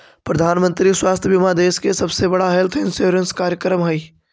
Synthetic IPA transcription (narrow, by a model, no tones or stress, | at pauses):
pɾəd̪ʱaːnmə̃nt̪ɾiswaːst̪ʰjəbimad̪eːskesɐbsebɐɽaɦɛːlt̪ʰɪnsoːɾənskaːɾjəkɾəmɦɐi